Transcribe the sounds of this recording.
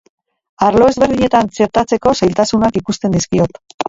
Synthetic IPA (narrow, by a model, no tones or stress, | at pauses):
aɾlo̞e̞zβe̞ɾðiɲe̞t̪ant͡se̞ɾt̪at͡se̞ko̞sajlt̪asunakikust̪e̞nd̪iskio̞t̪